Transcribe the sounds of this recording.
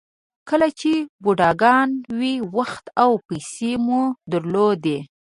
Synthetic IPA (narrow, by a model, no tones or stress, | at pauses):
kəlat͡ʃebuɖɑɡɑnwiwaxt̪awpajsemud̪əɾlod̪e